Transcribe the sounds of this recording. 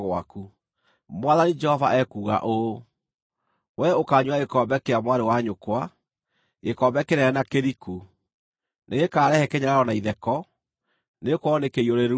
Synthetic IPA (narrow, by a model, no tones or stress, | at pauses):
ɣwa̰ku | mwaðanid͡ʒɛhɔvaʔɛkuːɣa̰ʔo | wɛokaːɲwaekɔːmbɛkeamwaɾewaɲokwa | ekɔmbɛkeɾɛɾɛnakeɾiku | neɣekaːɾɛhɛkeɲaɾaɾɔnaiðɛkɔ | nekwɔnekeioɾeɾ